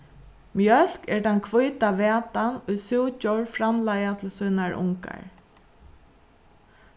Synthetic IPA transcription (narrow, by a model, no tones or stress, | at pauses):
mjœl̥kɛɹt̪ʰankʰvʊjt̪aʋɛːt̪anʊjsʊwt͡ʃɔwɹfɾamlajat̪ʰɪlsujnaɹʊ̰ŋka̰ɹ